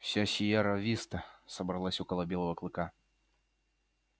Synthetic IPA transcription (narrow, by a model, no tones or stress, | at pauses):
ɕʲaɕʲijaɾavʲist̪ɐsɐbɾɐlˠasʲɔkəlˠɐbʲelˠəvəklˠɨka